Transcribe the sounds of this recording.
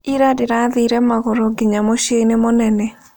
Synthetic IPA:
iɾadɪɾaðiɾɛmaɣɔɾɔɡiɲamoʃeinemonɛnɛ

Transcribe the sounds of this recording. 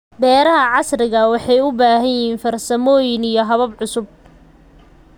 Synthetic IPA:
bɛːɾɐɦɐʕɑsrɪɣɐwɑħɑjʊbaːɦɐnjɪiːnfɐrsɐmɔːjɪnijɞɦɐβɐbʕʊsʊb̚

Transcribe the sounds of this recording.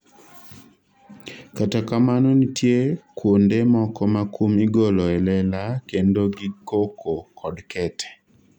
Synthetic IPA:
katakamanonitʰjekwondemɔkɔmakʰumiɡolɔɛlɛlakendoɡikokʰokʰɔdkʰɛtʰɛ̥

